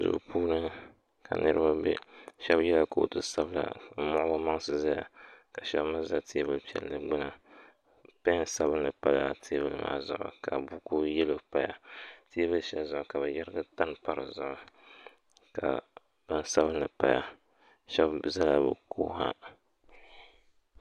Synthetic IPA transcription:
zʊ̰˨pʰuː˦nɨ˦ | ka̰˨nɨ˦ɾɨ˦ba˦bɛ̰˦ʃɛ˦bjɛ˦la˦ko˨o̰˨tɨ˦sa˦bla̰˨˦mʊ˦ʔʊ˦ʊ˦ma˦ŋsɨ˨za˦ja̰˨ka˨ʃɛ˦bma˦za˦ti˦bɨ˦lpi˨ɛ̰˨lnɨ˨ɡ͡bɨ˦na˨ | pɛ˦n˦sa˦bɨ˦nːɨ˨pa˦la˨tʰe˦bɨ˦lɨ˨ma̰˨˦zʊ̰˨ʔʊ̰˨ka˨bu˦ku˦jɛ˦lo˨pa˦ja˨te˦bɨ˦lʃɛ˦lzʊ˨ʔʊ˨ka˨bɨ˨jɛ˦ɾɨ˦ɡɨ˦ta˦npa˦ɾɨ˨zʊ˨ʔʊ˨ | ka̰˨ | b̥ɨ˦nsa˦βɨ˦nːɨ˨pa˨ja̰˨ | ʃɛ˦bza˦la˨bɨ̰˨kʰo̰ː˦ha̰˦

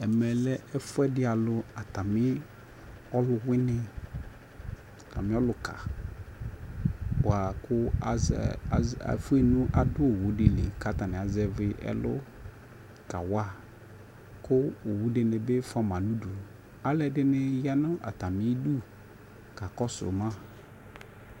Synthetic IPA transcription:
ɛ˨mɛ˨lɛ˦ɛ˦fʊ˦ɛ˦dɪ˦a˨lʊ˨a˨ta˨mɪ̃˦ | ɔ˦lʊ˨wɪ˦nɪ̃˦ | a˨ta˨mɪ̃˦ɔ˦lʊ˨kʰa̰˨ | a˨kʊ˦˨˦ | fʊ˦e˨nũ˦ʔa˨dʊ˦o˨wu˨˦dɪ˨lɪ˨ka˨t̪a˨nɪ̃˨a˨zɛ˨vɪ˨ʔɛ̰˦lʊ̰˦ | ka˨wa˦˨ | kʊ˦o˨wu˦dɪ˨nɪ̃˨be˦fa˦mã˨nũ˦du˨ | a˨lɛ˨dɪ˦nɪ˦ja˦nʊ̃˦ʔa̰˨ta˨mɪ̃˦du˦ | ka˨kɔ˦sʊ̰˨mã˦

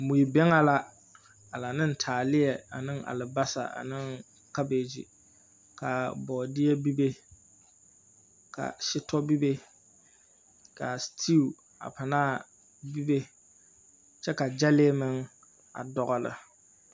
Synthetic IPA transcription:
mu˨i˨bɛ˦ŋa˦la˦ | a˨la˨nɨ˦n̩˨tʰaː˨lɪ˦jɛ˨a̰˨nɨ˦ŋa̰˨lɨ˨ba˦sa̰˨ʔa̰˨nɨ˦ŋ | ka˦beː˨d͡ʒḭ˨ | ka˨bɔː˨dɪ˦jɛ˦bi˦be˦ | ka̰˨ʃɪ˦tɔ˦bi˦be˦ | ka˨stʰi˦˨ | a̰˨pa˨naː˦˨ | bi˦be˦ | t͡ʃɛ˦ka˨d͡ʒa˦leː˦mɨ˦ŋ | a̰˨dɔ˦ɣɔ˦lɨ̰˨

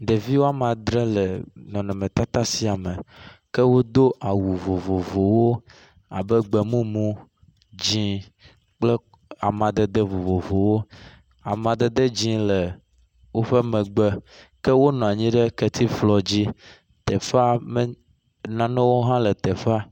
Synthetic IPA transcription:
ɖe˨vi˦wo˦a˦m˨ã˨d̪ɾe˦lɛ˨nɔ̃˨nɛ̃˨mẽ˨t̪a˦t̪a˦si˦a˨me˨kɛ˦wo˦d̪o˦ʔa˨wu˨vo˨vo˨vo˨wo˦ | a̰˨bɛ˦ɡ͡bɛ˨mũ˦mũ˦ | d͡ʑĩ˦ | k͡ple˦ | a˨mã˨d̪e˨d̪e˦vo˨vo˨vo˨wo˦ | a˨mã˨d̪e˨d̪e˦d͡ʑĩ˦lɛ˨ | wo˦ɸe˦mɛ̃˨ɡ͡bɛ˦ | kɛ˦wo˦nɔ̃˨a˨ɲĩ˦ɖe˦ke˦t̪ʰi˦flɔ˨d͡ʑi˦ | t̪ɛ˨fa˦mẽ˦ | nã˨nɛ̃˦wo˦ɦã˦le˨t̪ɛ˨fa˦

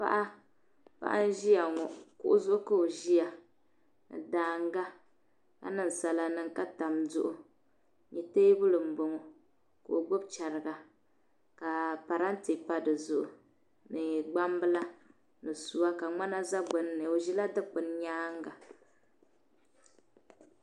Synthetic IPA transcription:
pa̰˦ʔa˦ | pa̰˦ʔa˦n̩˦ʒi˦ja˨ŋɔ˨kʊ̰˦ʔʊ˦zʊ˦ʔʊ˦ka˦o˨ʒi˦a˨ | nɨ̰˨daː˨˦ŋ˦ɡa˦ | ka̰˦nɨ˨n˨sa˨la˨nɨ˦ŋka˦ta˨mzʊ˦ʔʊ˦ | ɲi˨teː˦bʊ˦lɨ˨m̩˨bo˨ŋɔ˨ | ka˨o˨ɡ͡bʊ˦bt͡ʃa˨ɾɨ˨ɡa˨ | ka˨pa˨ɾa˦n̩˦ti˨pa˦dɨ˨zʊ˦˨ʔʊ̰˨ | nɨ˨ɡ͡ba˦mbɨ˦la˦ | nɨ˨su˨wa˦ka˨ŋ͡ma˦na˦za˦ɡ͡bʊ˨n˦nɨ˨o˨ʒi˦la˦dɨ˦k͡pɨ˨n˦ɲaː˦ŋ˦ɡa˨

